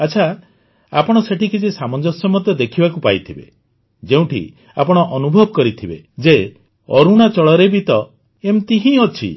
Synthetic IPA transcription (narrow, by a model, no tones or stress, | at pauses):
at͡ʃʰa | apɔɽ̃ɔseʈʰikit͡ʃʰisamɔnd͡ʒɔsɔmɔd̪jɔd̪ekʰibakupajt̪ʰibḛ | d͡ʒeũʈḭ | a̰pɔɽ̃ɔʔɔnubʱɔbɔkɔɾit̪ʰibe | d͡ʒe | ɔɾuɽ̃at͡ʃɔɭɔɾebit̪ɔ | emt̪iɦĩot͡ʃʰḭ